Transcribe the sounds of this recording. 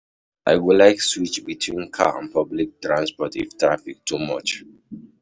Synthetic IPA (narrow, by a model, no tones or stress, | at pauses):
ʔa̰ɪwilaɪkswit͡ʃbitʰwĩnkʰa̰ã̰npʰɔblik̚tɹãnspɔtḭftɹafik̚tʰumɔt͡ʃ